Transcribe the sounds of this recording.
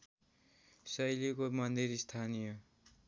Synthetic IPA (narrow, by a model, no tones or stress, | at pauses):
sʌjlikomʌnd̪iɾist̪ʰanijʌ